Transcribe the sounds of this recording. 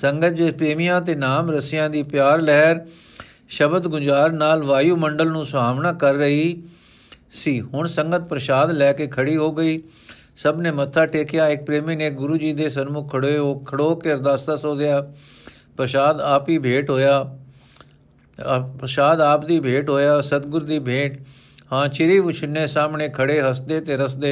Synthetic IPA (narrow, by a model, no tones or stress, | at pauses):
səŋɡət̪̚d͡ʒespɾeːmijãːt̪eːnaːmɾəsɪjãːd̪iːpɪjaːɾlɛːɾ | ʃəbəd̪ɡʊd͡ʒaːɾnaːlʋaːjuːməɳɖəlnũːsaːmnãːkəɾːəɦiː | siːɦʊɳsəŋɡət̪̚pɾəʃaːd̪lɛːkeːkʰəɽiːɦoːɡəiː | səbneːmət̪ʰːaːʈeːkɪjaːɪk̚pɾeːmiːneːɡʊɾuːd͡ʒiːd̪eːsənmʊkʰːəɽoeɦoːkʰəɽoːkeəɾd̪aːsasoːd̪ɪjaː | pɾəʃaːd̪aːpiːbʱeːʈɦoːjaː | pɾəʃaːd̪aːpd̪iːbʱeːʈɦoːjaːsət̪ɡʊɾd̪iːbʱeːʈ | hãːt͡ʃʰɪɾiːʋʊt͡ʃʰənːeːsaːmɳẽːkʰəɽeːɦəsd̪eːt̪eːɾəsd̪eː